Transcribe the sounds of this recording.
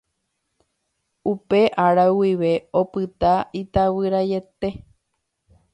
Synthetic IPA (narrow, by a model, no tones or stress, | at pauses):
upe̞ʔaɾawiʋe̞o̞pɨt̪ait̪awɨɾaje̞t̪e̞